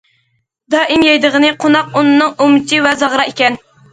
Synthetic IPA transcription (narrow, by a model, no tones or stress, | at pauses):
d̪ɑːʔɪmjɑjd̪əʁənɨqʰonɑqunɨnɨŋumɪt͡ʃʰivɛzɑʁɾɑekʲɛn